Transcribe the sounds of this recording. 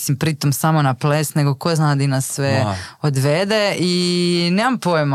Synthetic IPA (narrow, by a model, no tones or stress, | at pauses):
simpɾit̪omsamo̞naplesne̞ɡokoznad̪inasːʋeod̪ʋed̪eineːmampojm